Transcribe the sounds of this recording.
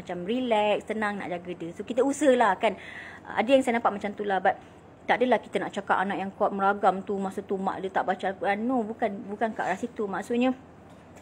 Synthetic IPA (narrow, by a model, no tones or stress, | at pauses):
mat͡ʃamrilɛkst̪ənãŋna̰ʔd͡ʒaɡədəsokit̪əusəhlahkan̰a̰dəjaŋsajənapat̪̚mat͡ʃamt̪ulabat̪̚ | t̪aʔdəlahki̥t̪ənaʔt͡ʃakaʔanãʔjaŋkɔt̪̚məɾaɡamt̪umaʔsut̪uma̰ʔdət̪aʔbat͡ʃakuʔanobukanbukanka̰ʔɾasit̪umaʔsuʔ̪̚ɲə̃